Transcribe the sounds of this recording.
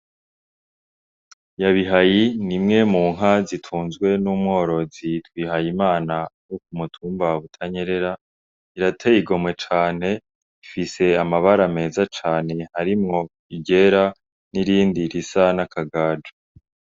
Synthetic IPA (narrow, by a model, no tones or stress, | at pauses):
jaβiɦajinimŋe̞muːŋɦazitʰuːnzɡwe̞numŋo̞ːɾo̞zitwiːɦajimaːnajok̚umutʰuːmbaβutʰaɲe̞ɾe̞ɾa | iɾatʰejiɡo̞mŋe̞t͡ʃaːn̥e̞ | ifise̞amaβaɾame̞ːzat͡ʃaːne̞haɾimŋo̞ | iɟe̞ɾa | niɾiːndiɾisanakʰaɡaːd͡ʒo